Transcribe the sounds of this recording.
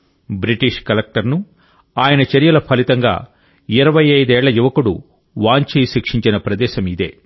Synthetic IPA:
bɾiʈiʂkɐlɐk̚ʈɐɾnu | aːjɐnɐt͡ʃɐɾijɐlɐpʰɐlit̪ɐŋɡa̰ː | iɾɐʋɐjɐjd̪ɛːɭːɐjuʋɐkuɽṵ | ʋaːɲt͡ʃijʃikʂiɲt͡ʃinɐpɾɐd̪ɛːʃɐmid̪ḛː

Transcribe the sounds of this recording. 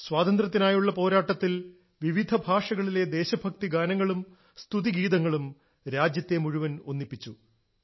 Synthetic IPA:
swaːd̪ɐnd̪rɐt̪ːinaːjuɭːɐpo̞ːɾaːʈːɐt̪ːil | ʋiʋid̪ʱɐbʱaːʂɐɣɐɭile̞d̪e̞ːɕɐbʱɐk̚t̪iɡaːnɐŋːɐɭum | st̪ʰuðiɡiːd̪ɐŋːɐɭum | ɾaːd͡ʑjɐt̪ːemuɻuʋɐnonːipːit͡ɕːu

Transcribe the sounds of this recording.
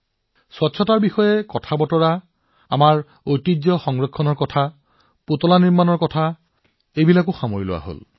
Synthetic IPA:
swɔtːsʰɔtaɹbixɔjɛkɔtʰabɔtɔɹa | a̰maɹ | ojtid͡ʒzɔxɔŋɹɔkʰːɔnɔɹkɔtʰa | putɔlaniɹmanɔɹkɔtʰa | ejbilakʊxamoɹilʊ̰wa̰ɦo̰l

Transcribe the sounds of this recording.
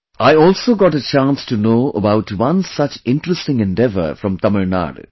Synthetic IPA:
aɪɔːlsoːɡɔʈət͡ʃãːnstunoːəbaʊʈwʌ̃nsʌt͡ʃɪ̃nʈɾəstɪ̃ŋɛ̃nɖɛʋə̰ɾfɾɔ̃mt̪ʌməɾna̰ːɖ

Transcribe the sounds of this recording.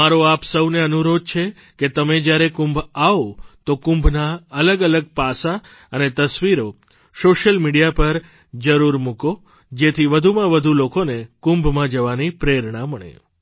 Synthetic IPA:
maɾoapsəwneənuɾod̪̚t͡ʃʰe | ket̪əmed͡ʒjaɾekũmbʱaot̪okũmbʱnaələɡələɡ̚pasa | ənet̪əsʋiɾo | soʃəlmiɽijapəɾ | d͡ʒəɾuɾmũko | d͡ʒet̪ʰiʋəd̪ʱumãʋəd̪ʱulokonekʊ̃mbʱmãd͡ʒəʋanipɾeɾɳãməɳḛ

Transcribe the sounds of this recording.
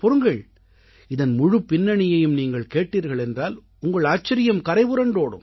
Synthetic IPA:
pɔɾɯŋɡɐɭ | ɪðɐnmʊɻɯpːɪnːɐɳɪjɐjɯmniːŋɡɐɭkeːʈːiːɾɣɐɭɛndraːl | ʊŋɡɐɭaːt͡ʃːɐɾɪjɐmkɐɾɐɪʋɯɾɐɳɖoːɽɯ̰m

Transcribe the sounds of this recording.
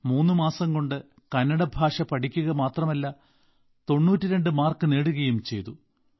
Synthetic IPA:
muːnːɨmaːsɐŋko̞ɳɖɨ | kɐnːɐɽɐbʱaːʂɐpɐʈʰikʲːuɣɐmaːt̪rɐmɐlːɐ | t̪o̞ɳːuːtːiɾe̞ɳɖɨmaːrkɨne̞ːɽuɣɐjumt͡ɕe̞̰jt̪u

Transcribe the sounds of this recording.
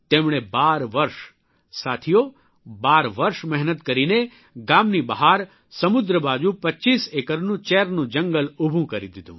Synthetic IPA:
t̪emɽ̃ebaɾʋəɾʃ | sat̪ʰijo | baɾʋəɾʃmɛɦnət̪kəɾine | ɡamnibəɦaɾ | səmʊd̪ɾəbad͡ʒũpətːt͡ʃisekəɾnũt͡ʃɛɾnũd͡ʒəŋɡəlubʱũkəɾid̪id̪ũ

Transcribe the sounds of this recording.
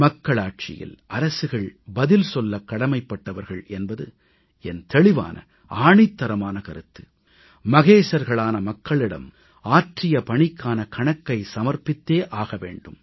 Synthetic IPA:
mɐkːɐɭaːʈ̚t͡ʃɪ̰jɪ̰lʔɐɾɐsɯɣɐɭbɐðɪlsɔlːɐkːɐɽɐmɐɪpːɐʈːɐʋɐɾɣɐɭɛnbɐðɯ | ɛnt̪ɛɭɪʋa̰ːnɐ̰ | aːɳɪt̪ːɐɾɐmaːnɐkɐɾɯt̪ːɯ | mɐɣeːsɐɾɣɐɭaːnɐmɐkːɐɭɪɽɐ̰m | aːʈrɪjɐpɐɳɪkːaːnɐkʰɐɳɐkːɐɪsɐmɐɾpɪt̪ːeːʔaːɣɐʋḛːɳɖɯm

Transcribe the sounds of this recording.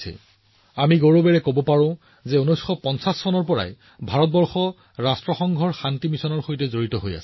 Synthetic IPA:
ɛ̰ | amiɡoɹobɛɹɛkobɔpaɹʊ̃ | zɛonojsxɔpɔnsasːɔnɔɹpɔɹa̰j | bʱaɹɔt̚bɔɹxɔ | ɹastɹɔxɔŋɡʱɔɹxantimisɔnɔɹxojtɛzoɹitɔɦoja̰sɛ̥

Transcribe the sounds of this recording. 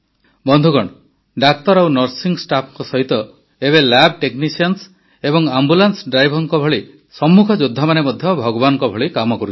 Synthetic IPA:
bɔnd̪ʱukɔɽ̃ | ɖakt̪ɔɾawnɔɾsiŋsʈapʰŋkɔsɔɦit̪ɔ | eβelab̚ʈeknisɔns | ebɔŋambulansɖɾajbʱɔŋkɔbʱɔɭi | sɔmːukʰɔd͡ʒod̪ʱːamanemɔd̪ʱjɔbʱɔɡɔbanɔŋkɔbʱɔɭikamɔkɔɾu

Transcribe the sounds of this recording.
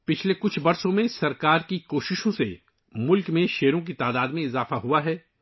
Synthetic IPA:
pɪt͡ʃʰlekʊt͡ʃʰbɐɾsõmẽsɐɾkaːɾkikoːʃɪʃõsḛ | mʊlkmẽʃeːɾõk̬it̪aːd̪aːd̪mẽɪzaːfaɦuaɦɛː

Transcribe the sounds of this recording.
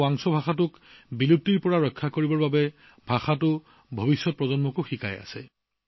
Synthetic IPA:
aŋsɔbʱaxatʊkbilutːiɹpɔɹaɹɔjkʰːakoɹibɔɹbabɛ | bʱaxatʊ | bʱobisːɔt̚pɹɔzɔnmɔkʊxikaja̰sɛ̰

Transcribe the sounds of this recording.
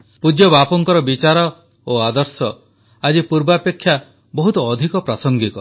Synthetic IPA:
pud͡ʒjɔbapɔŋkɔɾɔbit͡ʃaɾɔ | oad̪ɔɾsɔ | ad͡ʒipuɾbapekʰːja | bɔɦut̪ɔːd̪ʱikɔpɾasɔŋɡit̪ɔ

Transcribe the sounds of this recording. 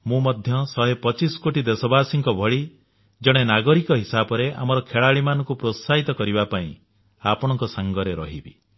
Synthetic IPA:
mũmɔd̪ʱjɔsɔɦepɔt͡ʃisɔ̥koʈid̪esɔbasiŋkɔbʱɔɭi | d͡ʒɔɽ̃enaɡɔɾikɔɦisabɔɾeʔa̰mɔɾɔkʰeɭaɭimanɔŋkupɾosaɦit̪ɔkɔɾibapaḭ̃ | apɔɽ̃ɔ̃ŋkɔsaŋɡɔɾeɾɔɦibḭ

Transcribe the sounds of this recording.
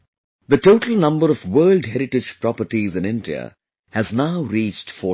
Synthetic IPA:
d̪əʈoːʈəl̩ˠnʌ̃mbəɾɔvwɜːldɦɛɾɪʈɪ̥d͡ʒpɾɔpəɾʈizɨ̃nɪ̃ndiə̰ | hæznaʊɾiːt͡ʃʈfɔ

